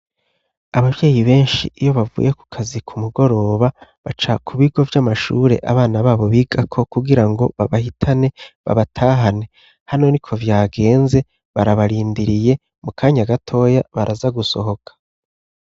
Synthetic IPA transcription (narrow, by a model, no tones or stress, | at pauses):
aβavje̞ːjiβe̞ːnʃḭijo̞βavṵːjeku̥kʰazikʰumuɡo̞ɾo̞ːβaβat͡ʃakʰuβiɡo̞vjamaʃṵːɾe̞̰ʔa̰βaːnaβaːβo̞βiːɡ̥akʰo̞kuɡiɾaŋɡo̞̰βaβahitʰane̞βa̰βatʰaːɦane̞ | hano̞nikʰo̞vjaːɡe̞ːnze̞ | βaɾaβaɾiːndiɾije̞ | mukʰaːɲaɡatʰo̞ːjaβaɾʔazaɡuso̞̰ɦo̞kʰḁ